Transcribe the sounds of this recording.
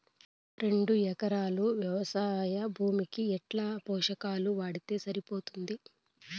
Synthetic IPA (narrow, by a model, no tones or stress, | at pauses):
ɾe̞ɳɖuɛkɐɾaːluʋjɐʋɐsaːjɐbʱuːmikiɛʈlaːpɔːʂɐkaːluʋaːɽit̪e̞ːsɐɾipo̞ːt̪und̪i